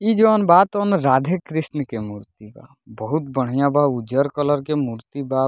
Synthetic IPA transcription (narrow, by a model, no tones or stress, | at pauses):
id͡ʒəənbat̪onɾad̪ʱekɾisnəkemuɾt̪iba̰ | bəɦut̪bəɽ̤ijãbʱaud͡ʒəɾkələɾkemuɾt̪iba